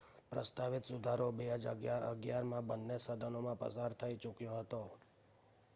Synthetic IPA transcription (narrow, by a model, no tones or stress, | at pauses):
pɾəst̪aʋɪt̪sʊd̪ʱaɾobeɦəd͡ʒa̰ɡjaɾə̰ɡjaɾmãbənːesəd̪ʱənomãpə̰saɾt̪ʰəit͡ʃʊkjoɦət̪o